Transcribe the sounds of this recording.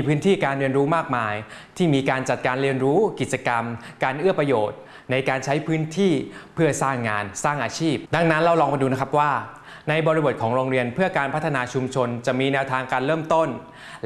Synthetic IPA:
pʰɯː˦˥nt̪ʰiː˥˩kaː˧nɾi˧nɾuː˦˥maː˥˩k̚maː˧jt̪ʰiː˥˩miː˧kaː˧nt͡ɕa˨˩t̪̚kaː˧nɾi˧ənɾuː˦˥ki˨˩t̪̚t͡ɕa˧ka˧mkaː˧nʔɯ˥˩ɐpɾa˧joː˨˩t̪̚ | na˧jkaː˧nt͡ɕʰa˦˥jpʰɯː˦˥nt̪ʰiː˥˩pʰɯ˥˩ɐsaː˥˩ŋːaː˧nsaː˥˩ŋʔaː˧t͡ɕʰiː˥˩p̚da˧˩ŋna˦˥nɾa˧wɾɔː˧ŋma˧duː˧na˦˥kʰa˦˥p̚waː˥˩ | na˧jbɔː˧ɾi˧bo˨˩t̪̚kʰɔː˩˦ŋɾoː˧ŋɾi˧ənpʰɯ˥˩ɐkaː˧npʰa˦˥t̪ʰːa˧naː˧t͡ɕʰu˧mt͡ɕʰo˧nt͡ɕa˨˩miː˧nɛː˧wt̪ʰaː˧ŋkaː˧nɾɤː˥˩mt̪o˥˩n

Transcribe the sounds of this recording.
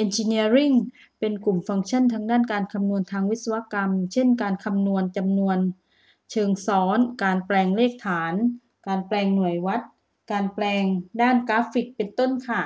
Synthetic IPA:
ʔe˧nt͡ɕi˧ni˧˥əɾi˥˩ŋ | pe˧nku˨˩mfa˧ŋt͡ɕʰa˧˥˨nt̪ʰaː˧ŋdaː˥˩˨nkaː˧nkʰa˧mnu˧ənt̪ʰaː˧ŋwi˦˥t̪̚sa˧wa˧˥ka˧mt͡ɕʰe˥˩nkaː˧nkʰa˧mnu˧ənt͡ɕa˧mnu˧ən | t͡ɕʰɤː˧ŋsɔː˩˦nkaː˨˧nplɛː˧ŋleː˥˩k̚t̪ʰaː˩˦n | kaː˧nplɛː˧ŋnu˨˩əjwa˦˥t̪̚ | kaː˧nplɛː˧ŋdaː˥˩nkaː˦˥fi˧˩k̚pe˧nt̪o˥˩˨nkʰa˧˩

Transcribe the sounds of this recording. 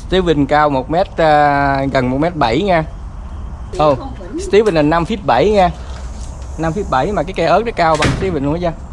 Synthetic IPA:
st̪i˨˦vï˨˧˩nkaː˧wmo˨˩t̚mɛ˦˥t̚əː˧ɣə˨˩nmo˨˩t̚mɛ˦˥t̚ɓə˧˩jŋɛː˧ | ʔə˨˩ | st̪i˧˦vi˨˩nla˨˩nːa˧mfi˦˥ət̚ɓa˧˩˨jŋɛː˧ | na˧mfi˦˥ət̚ɓa˧˩jmaː˨˩kaː˨˦jkɛ˧ʔəː˦˥nɔ˨˦kaː˧wɓa˨˩ŋst̪i˨˦vi˨˩nɨ̰˧˦əzaː˧

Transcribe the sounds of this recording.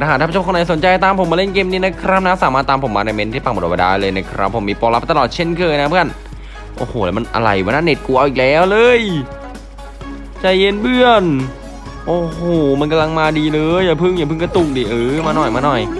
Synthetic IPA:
a˧aː˨˩t̪ʰaː˥˧˩o˥˩kːna˧jso˨˦nt͡ɕa˧jt̪aː˧mpʰo˨˦maː˧le˥˩nkeː˧mniː˧˥˩na˦˥kʰɾa˦˥p̚na˦˥saː˨˦maː˥˩t̪ːaː˧mpʰo˩˦maː˧na˧˩me˧˥nt̪ʰiː˥˩pa˧˩ŋb̚a˧˩da̰ː˧˩jlɤː˧jna˧˥˩kʰɾa˦˥pʰːo˩˦miː˧˩pɔː˧la˦˥p̚t̪a˧lɔː˨˩t̪̚t͡ɕʰe˥˩nkʰɤː˧jna˦˥pʰɯ˥˧˩n | ʔo̰ː˧˩hoː˨˩lɛː˦˥wma˧nʔa̰˧ɾa˧˩jwaː˧˦naː˥˨ne˨˩t̪̚ku˧ʔa˧ʔiː˨˩lɛː˦˥˩wlɤː˧j | t͡ɕa˧˩jːe˧˥nbɯ˧˩ən | ʔoː˧˩hoː˨˩ma˧nka˧la˧ŋmaː˧diː˧lɤː˧jaː˨˩pʰɯ˥˩ŋjaː˨˩pʰɯ˥˩ŋka˧t̪u˧˩ŋ̚diː˨˩ʔɤː˧˩˧maː˧nɔ˨˩jmaː˧nɔ˨˩j

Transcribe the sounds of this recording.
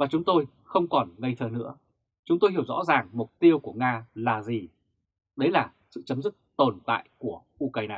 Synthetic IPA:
vaː˨˩t͡ɕʊ˨˦ŋ͡mt̪o˧j | xə˧wŋ͡mkɔ˨˩nŋə˧jt̪ʰəː˨˩nɨ̰˧˥ə | t͡ɕʊ˨˦ŋ͡mt̪o˧jɦi˧˩əwzɔ̰˧˥zaː˨˩ŋmʊ˨˩k͡p̚t̪i˧əwku˧˩əŋaː˧laː˨˩zi˨˩ | ɗə˨˦jlaː˨˩ | sɨ̰˧˨t͡ɕə˨˦mzɨ˦˥k̚t̪o˨˩nt̪a̰ː˧˨jku˧˩əʔu˧ka˧jnaː˨˩

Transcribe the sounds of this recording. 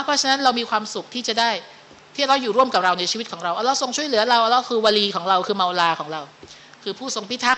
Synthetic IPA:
pʰɾɔ˦˥t͡ɕʰa˧na˦˥nɾa˧wmiː˧kʰwaː˧msu˨˩k̚t̪ʰiː˥˩t͡ɕa˨˩daː˥˩j | t̪ʰiː˥˩ɾa˧wjuː˨˩ɾu˥˩əmka˨˩p̚ɾa˧wna˧jt͡ɕʰiː˧i˦t̪̚kʰɔː˩˦ɾa˧wʔa˧˩la˧˩wso˧ŋt͡ɕʰu˥˩əjlɯ˩˦ɐ˦ɾa˧wʔa˧lɛ˦˧˩wkʰɯː˧waː˧liː˧kʰɔː˩˦ɾa˧wkʰɯː˧ma˧wlaː˧kʰɔː˩˦ŋɾa˧w | kʰɯː˧pʰuː˥˩so˧ŋpʰi˦˥t̪ʰa˦˥

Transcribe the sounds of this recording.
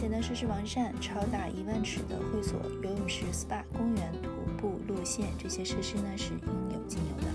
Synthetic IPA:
ɛ˨˩nd̪ə˧ʂɻ̩˥˧ʂɻ̩˥˩wɑ˧˥ŋʂa˥˩nʈ͡ʂʰɑ˧˥ʊt̪a˨˩ʔi˧˥wa˥˩nʈ͡ʂʰɻ̩˨˩d̪ə̰˦xwe˥˩ɪswɔ̰˨˩˦jo˧ʊy˨˩ʂɻ̩˧˥s̩˥pa˥˩kʊ˥ŋɥɛ˧˥nt̪ʰu˧˥pu˥˧lwɔ˥˧ɕjɛ˥˩nʈ͡ʂɤ˥˩ɕjɛ˥ʂɤ˥˩ʂi˥nə˨ʂɻ̩˥˩i˧˥ŋjo˨˩ʊt͡ɕi˥˩njo̰˧˥d̪ə̰˧˩

